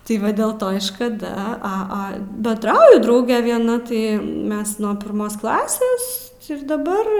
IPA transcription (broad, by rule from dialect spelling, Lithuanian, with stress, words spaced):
tʲɪ ˈʋɐ dʲɛlˠ ˈtoː ɪ ʃkɐˈdɐ ˈɐ ˈɐ bʲɛnˈdrɐʊjʊ ˈdrɐʊɡʲɛ ʋʲiɛˈnɐ ˈtɐɪ ˈmʲɛs ˈnuɔ pʲɪrˈmoːs ˈklˠɑːsʲeːs ɪr dɐˈbɐr